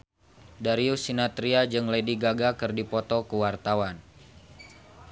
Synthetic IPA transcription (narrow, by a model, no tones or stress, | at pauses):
daɾiusinat̪ɾiad͡ʒɨŋlediɡaɡakɨrdipɔt̪ɔkuwart̪awan